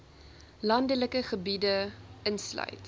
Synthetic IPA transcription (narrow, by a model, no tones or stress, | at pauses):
lɐndələkəχəbidəənslœ̰jt